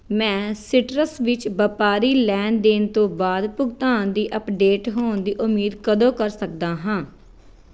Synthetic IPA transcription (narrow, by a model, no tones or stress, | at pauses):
mɛ̃ːsɪʈɾəsʋɪt͡ʃbəpaːɾiːlɛ̃ːnd̪eːnt̪õːbaːd̪pʊɡt̪aːnd̪iːʔəpɖeːʈɦoːnd̪iːʔʊmːiːd̪kəd̪õːkəɾsək̚d̪aːɦãː